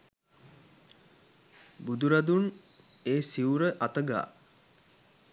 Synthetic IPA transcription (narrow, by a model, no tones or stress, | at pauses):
bud̪uɾad̪un | eːsiuɾəʔat̪əɡa̰ː